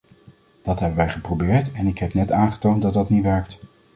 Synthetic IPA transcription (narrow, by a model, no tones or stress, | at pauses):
d̥ɑtɦɛbənʋɛjχəprobɪːɹtɛnɪkɦɛpnɛtaːnχə̥towntdɑt̚dɑtniʋɛɹk̚t